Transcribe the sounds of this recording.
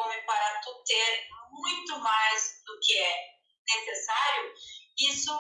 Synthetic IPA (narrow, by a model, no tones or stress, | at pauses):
õmɪpaɾɐt̪ut̪eɾmũj̃t̪ʊmajzd̪ʊkɪɛ | nesesaɾjʊisʊ